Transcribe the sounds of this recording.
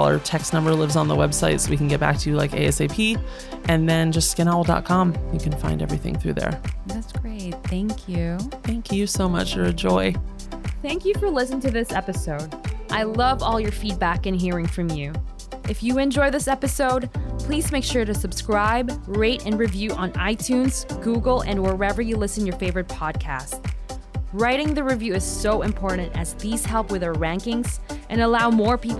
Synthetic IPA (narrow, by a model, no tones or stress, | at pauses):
lˠə̰˞tʰɛksnʌ̃mbə˞lɪvzn̩ðə̰wɛb̥saɪtsoʊwikʰn̩ɡɛt̚b̥æ̰k̚tʰɨɨla̰ɪkḛɪɛseɪpʰi | ʔɨ̃nðɨ̃nd͡ʒʌstskɨ̃ñal̩ˠdɑ̰t̚kʰɑ̃mjɨkʰɨ̃nfãɪ̃ndɛ̰vɹiθɪ̰̃ŋθɹʉ̰ðə̰˞ðætsɡ̥ɹeɪt̪̚θæ̃ŋkʰjʉθæ̃ŋkʰjɨsoʊmʌ̰t͡ʃə˞ɨd͡ʒɔɪ | θæ̃ŋkjɨfə˞lɪsnɪ̃ŋtʰɨðɪsɛpɨsoʊdʔaɪlʌvɔlˠjə˞fid̚bækɨ̃nɦiɹɪ̃ŋfɹʌ̃mjʉ | ʔɨfjɨɨ̃nd͡ʒɔɪðɪsɛpɨsoʊd̚pʰl̥izmeɪkʃʊɹɾɨsɨb̥skɹaɪbɹeɪɾɨ̃nɹivjʉʔə̃naɪtʰʉ̃nz̥ɡ̥uɡl̩ˠɨ̰̃nwə˞ɛvə˞jɨlɪsɨ̃n̩jə˞feɪvə˞ɨt̚pʰɑd̚kʰæ̰st | ɹaɪɾɪ̃ŋðɨɹivjʉɨz̥soʊɨ̃mpʰɔɹʔn̩tɨzðiz̥hɛlˠpwɨðəɹæ̃ŋkɪ̃ŋz̥ʔɨ̃nəlaʊmɔɹpip